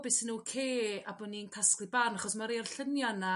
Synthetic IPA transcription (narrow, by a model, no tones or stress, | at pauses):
bɪsɪnukʰeːabɔninkʰasklɨbanaχɔsmaɾerɬənjɔna